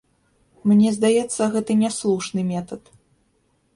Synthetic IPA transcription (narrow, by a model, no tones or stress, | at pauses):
mnʲɛzd̪ajɛt̪sːɐɣɛt̪ɨnʲɛslˠuʂnɨmʲɛt̪ɐt̪